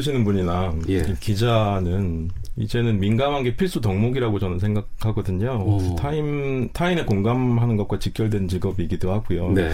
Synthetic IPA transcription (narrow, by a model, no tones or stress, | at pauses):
ɕʰinɯnbuɲinaikid͡ʑanɯn | ḭd͡ʑe̞nɯnminɡamɦanɡe̞pʰiɭs͈utʌŋmoɡiɾaɡot͡ɕʌnɯnsʰe̞ŋɡak̚haɡʌdɯɲotʰaimtʰaimekoŋɡamɦanɯnɡʌt̚kwat͡ɕik͈jʌɭdwent͡ɕiɡʌbiɡidoɦaɡujoe